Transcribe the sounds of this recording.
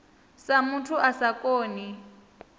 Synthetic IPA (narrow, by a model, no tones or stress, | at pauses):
samutʰuʔasakʼoːni